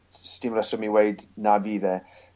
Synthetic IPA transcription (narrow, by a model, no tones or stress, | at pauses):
stɪmrɛsɔmiweɨdnaviːðɛ